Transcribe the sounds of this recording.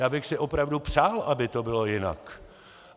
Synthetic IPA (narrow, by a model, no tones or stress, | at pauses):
jaːbɪxsɪʔo̞pɾavdupsaːlʔabɪt̪obɪlo̞jɪna̰k